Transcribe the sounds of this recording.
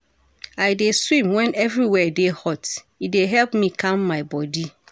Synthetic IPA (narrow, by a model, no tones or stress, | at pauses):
aɪdeswĩmwɛ̃nɛvɹiwɛdehɔt | ideɦɛlpmĩkʰãmːaɪbɔdi